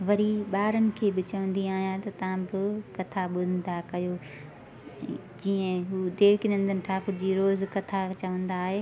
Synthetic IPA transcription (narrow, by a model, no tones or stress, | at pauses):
ʋɐɾiɓaːɾənɪ̆kʰeːbɪt͡ɕɐʋə̃nd̪iaːɦijãt̪ɐt̪ɐʋ̤ãbɪkɐt̪ʰaɓʊd̪ʱə̃n̆d̪akɐjoː | d͡ʑiːə̃ɦuːd̪eːkɪɗə̃nd̪ənɪ̆ʈʰaːkʊɾd͡ʑiːɾoːzkɐt̪ʰat͡ɕɐʋə̃nd̪aːɦeː